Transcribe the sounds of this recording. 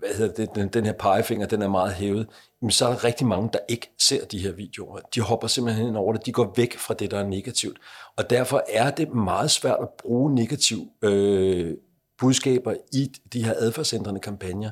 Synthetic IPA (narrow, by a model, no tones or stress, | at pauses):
ʋæhe̝ð̰ˠɐd̥ed̥ed̥d̥enhe̝ɐ̰pʰɑ̈ɪfe̝ŋ̰ɐd̥enæɐmɑ̈ːð̩ˠɦeːʊð̞̩ˠ | mensɒ̽æɐɾ̥ɑ̈ʁɛɡ̥̚d̥imɑ̈ŋəd̥ɑ̈ʔe̝ɡ̥əse̝ɐ̰d̥ihe̝ɐ̰ʋḭːd̥e̝o̝ɐd̥ihɒ̽b̥ɐse̝mb̥l̩hen̰ɒʊ̰ɐɾ̥e̝d̥iɡ̥ɒ̰ːʋeɡ̥fʁɑ̈d̥e̝d̥ɑæɐne̝ɡ̥æt͡sʰiʊd̥ɒ̽d̥æɐ̰fɒ̽ʔæɐd̥e̝mɑ̈ːð̩ˠsʋæɐ̰d̥æb̥ʁuːne̝ɡ̥æt͡sʰiʊ̰ø | b̥uðˠsɡ̥ɛ̰ːb̥ɐid̥ihe̝ɐ̰ʔæðˠfæɐ̰send̥ʁɐnəkʰɑ̈mpʰænjɐ